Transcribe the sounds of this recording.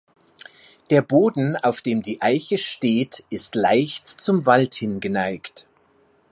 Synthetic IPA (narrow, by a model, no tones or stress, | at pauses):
d̥eːɐboːdn̩aʊfd̥eːmdiːʔaɪçəʃteːtɪstla̰ɪçtt͡sʊmvalthɪnɡənaɪkt